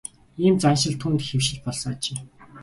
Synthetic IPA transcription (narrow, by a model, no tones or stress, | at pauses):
iːmt͡sanʃɪ̆ɬt̪ʰunt̪xewʃɪ̆t͡ɕpɔɮsɞ̆ŋat͡ɕeː